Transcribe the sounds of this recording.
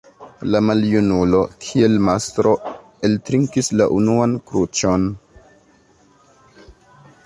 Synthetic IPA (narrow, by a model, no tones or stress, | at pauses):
lamaljunulo̞kʰie̞lmastɾo̞ | e̞ltɾiŋkislaʔunuankɾut͡ʃo̞n